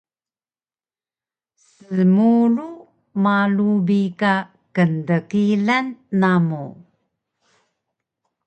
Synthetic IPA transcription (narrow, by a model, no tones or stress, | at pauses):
səmuɾu | malubika | kəndəkilanːamu